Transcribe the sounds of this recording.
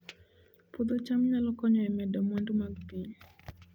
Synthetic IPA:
pod̪ɔt͡ʃamɲalɔkɔɲɔɛmɛdɔmwɔndomaɡ̚piɲ

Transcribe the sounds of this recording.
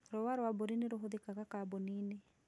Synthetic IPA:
ɾowaɾwabuɾiniɾuɦuðikakakabunini

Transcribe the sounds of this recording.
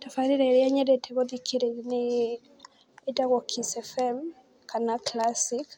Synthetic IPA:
tafaɾiɾɛɾeaɲɛɾɛtʰɛɣɔðikʰeɾene | edaɣɔkʰisɛfɛm | kanaklasik

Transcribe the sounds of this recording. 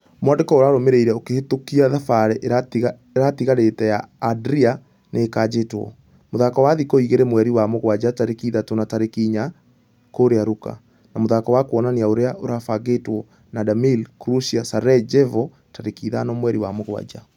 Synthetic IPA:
mwandekɔoɾaɾomeɾeiɾɛokehetokiaðafaɾɛʔaa | eɾatiɣaɾetɛjaːdɾia | nʔeːkad͡ʑetwɔ̰ | moðakɔwaðikɔiɣeɾɛmwɛɾiwamoɣwad͡ʑataɾekiðatonataɾekiːɲa | koɾeaɾuka̰ | namoðakɔwakwɔnaneaoɾeaʔoɾafaɣetwɔ | nadamilkɾusiasaɾɛd͡ʒɛvɔ | taɾekiːðanɔmwɛɾiwamoɣwa̰d͡ʒa

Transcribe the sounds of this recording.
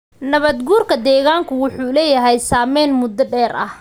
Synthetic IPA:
nɐβɐd̪ɡuːrkʰɐd̪ɛːɣaːŋkʰʊwʊħuːlɛːjɐɦɛjsaːmɛːnmʊd̪ɐɖɛːɾʔɐ̰h

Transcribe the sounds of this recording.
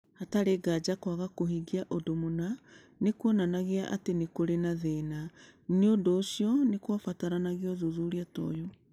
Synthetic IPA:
hataɾeːɡad͡ʒakwaɣakoɦiɡiaʔodomona | nekuɔnanaɣeaʔa̰tenekoɾenaðeːnaneondoːsiɔnekwafataɾanaɣeɔðuðuɾiatɔ̰jɔ

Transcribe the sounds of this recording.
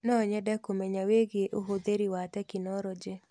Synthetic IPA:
nɔɲɛdɛkomɛɲaweɡeʔoɦod̪eɾiwatɛkɪnɔɾɔd͡ʒe

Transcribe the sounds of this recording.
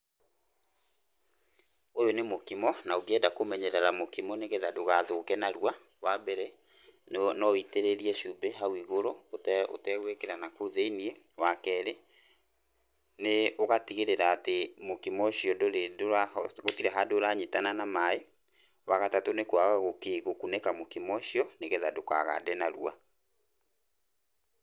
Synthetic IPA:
ojonemokimɔnaoɡeɛdakomɛɲɛɾɛɾamokimɔneɣeðadoɣaðokɛnaɾuwa | wabɛɾɛ | nɔiteɾeɾiɛʃubeɦawiɣoɾootɛo̰tɛɣwekeɾanakoðeinie | wakɛɾe | neoɣatiɣeɾeɾaːtemokimɔɕiɔdoɾedoɾaɣotiɾɛɦadoɾaɲitananamae | waɣatatonekwaɣaɣokeɣokunɛkamokimɔʃiɔneɣɛðadoka̰ɣa̰dɛnaɾṵa̰

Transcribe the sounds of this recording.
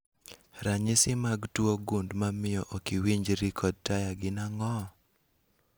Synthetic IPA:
ɾaɲɪsɪmaɡtwoɡundmamɪjɔʔokiwiɲd͡ʒɾikʰɔd̚tajaɡɪnaŋɔ

